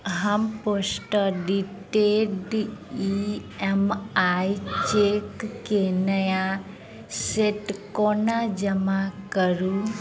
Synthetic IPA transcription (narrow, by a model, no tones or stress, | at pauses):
ɦəmposʈəɖiʈeɖiemait͡ʃekːenəja | seʈkonad͡ʒəmakəɾu